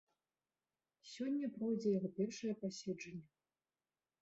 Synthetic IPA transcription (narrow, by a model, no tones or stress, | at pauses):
sʲɔnʲːɐpɾɔjd͡zʲɛjaɣɔpʲɛrʂɐjɐpasʲɛd͡ʐɐnʲːɐ